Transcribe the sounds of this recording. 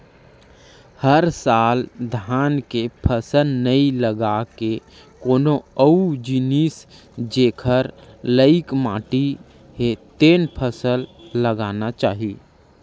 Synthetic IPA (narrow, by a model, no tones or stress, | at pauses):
həɾsaːld̪ʱaːnkepʰəsəlnəiləɡake | koːnoəud͡ʒinis | d͡ʒeːkʰəɾləɪkma̰ːʈi | ɦet̪eːnpʰəsəlːəɡaːnat͡ʃaːɦi